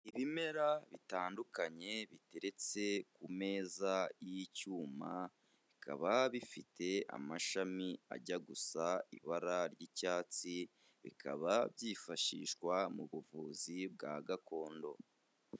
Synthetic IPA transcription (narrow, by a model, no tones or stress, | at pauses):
iβime̞ɾaβitaːndukaɲe̞βite̞ɾe̞t͡se̞kume̞ːzajicuːma | βikʰa̰βaβifitʰe̞a̰maʃamia̰ɟaɡusaḭβaɾaɾɟicaːt͡si | βḭkʰa̰βabjiːfaʃḭʃkwamuβuvuːzib̚ɡaɡako̞ːndo̞̰